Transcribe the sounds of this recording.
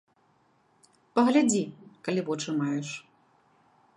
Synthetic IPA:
pɐɣlʲad͡zʲikalʲivɔt͡ʂɨmajɛʂ

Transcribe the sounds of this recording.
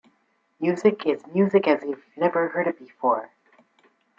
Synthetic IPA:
mjʉzɨkʰɪzmjʉzɨkɨzwivnɛvə˞hɜ˞ɾʌvbɨfɔɹ

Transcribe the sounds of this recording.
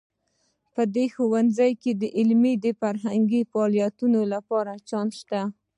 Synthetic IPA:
pəd̪exowanzajked̪əʔɪlmid̪əfaɾɦaŋɡifɑljat̪unolapɑɾat͡ʃɑnʃt̪a

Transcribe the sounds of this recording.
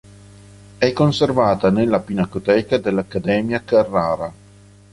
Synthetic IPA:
ɛkːonservaːt̪anelːapinakot̪ɛːkad̪elːakːad̪ɛːmjakarːaːɾa

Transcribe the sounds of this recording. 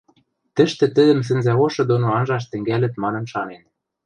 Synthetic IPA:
t̪ɘ̆ʃt̪ɘ̆t̪ɘ̆d̪ɘ̆ms̬ɘ̆nzæɣoʃɤ̆d̪onoɑnʒɑʃ̬t̪ɘ̆ŋɡælɘ̆t̪mɑnɤ̆nʃɑnen

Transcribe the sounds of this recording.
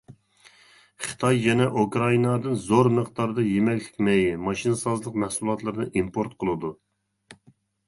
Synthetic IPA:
χɨ̥t̪ʰɑjːɛnɛʔukɾɑinɑd̪ɨnzoɾmɨqt̪ɑɾd̪ɑjemɛkʲkʲʰi̥kʲmɛjmɑʃinɨsɑzlˠəqmɛhsulˠɑt̪lˠɨɾɨnɨʔimpʰoɾt̪̚qʰəlˠɨd̪u

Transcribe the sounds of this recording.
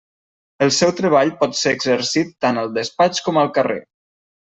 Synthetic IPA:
əlˠsɛwt̪ɾəβ̞aʎpɔt̪seːɡzəɾsit̪ːanəlˠd̪əspat͡ʃkɔməlˠkərḛ

